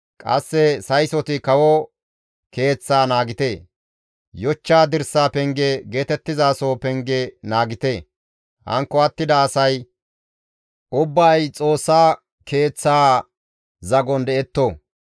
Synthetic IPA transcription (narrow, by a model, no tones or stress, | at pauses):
kʼɐ̰sːɛsɐjsɔt̪ɪkɐwɔ | ke̞ːt͡sːaːnaːɡɪt̪eː | jɔt͡ʃːaːd̪ɪɾsːaːpɛŋɡɛɡe̞ːt̪ɛt̪ːɪzaːsoːpɛŋɡɛnaːɡɪt̪eː | hɐ̰ŋkːɔɐt̪ːɪd̪ɐːsɐj | ʔʊbːaːjt͡sʼo̞ːsːaː | ke̞ːt͡sːaː | zɐɡɔnd̪ɛɛt̪ːo